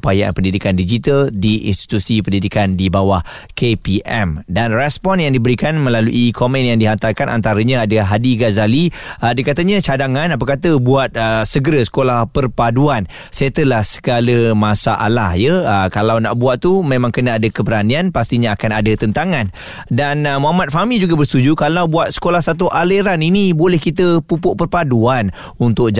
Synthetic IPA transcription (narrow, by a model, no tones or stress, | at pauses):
upaja̰npəndidikandid͡ʒit̪aldiḭnst̪i̥t̪usipəndidikandibawah | kepiʔɛ̰mdanrɛspɔnjaŋdibəɾikanmə̃laluʔikɔmɛnjaŋdiɦant̪arkanʔa̰nt̪aɾəɲãadaɦadiɡazaliədəkat̪aɲat͡ʃadaŋanap̬akat̪əbuat̪̚əsəɡəɾəsə̥kolahpərpaduan | set̪əlahsə̥ɡaləmasa̰ʔa̰la̰hjəəkalawna̰ʔbuaʔ̪̚t̪umẽmãŋkənaadəkəbəɾanianpast̪iɲaːkanadət̪ənt̪aŋãn | danmoamat̪̚famid͡ʒuɡabərst̪ud͡ʒukalawbuat̪̚sə̥kolahsat̪uʔaləɾaninibolɛhkit̪əpupʊʔpərpaduan | unt̪ʊk̚d͡ʒ